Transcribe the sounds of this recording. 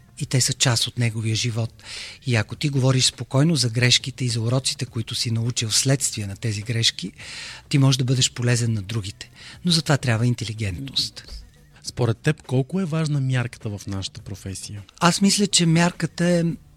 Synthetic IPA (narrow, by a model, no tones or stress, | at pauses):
it̪ɛsət͡ʃasot̪nɛɡoviəʒivɔt̪iɐkot̪iɡovɔɾiʃspokɔjnozɐɡɾɛʃkit̪ɛizɐʊɾɔt̪si̥t̪ɛkoit̪ʊsinɐut͡ʃilˠslɛt̪st̪viənɐt̪ɛziɡɾɛʃkit̪imɔʒɛʒd̪ɐbɤd̪ɛʃpolɛzɛnːɐd̪ɾuɡ̟it̪ɛ̥nozɐt̪ovat̪ɾʲjabvəint̪ɛliɡɛnt̪nost̪ | spoɾɛt̪ːɛpkɔlˠkʊɛvaʒnəmjaɾkə̥t̪əvɐfnaʃə̥t̪ə̥pɾofɛsijəasmislʲət͡ʃɛmʲjaɾkət̪əɛ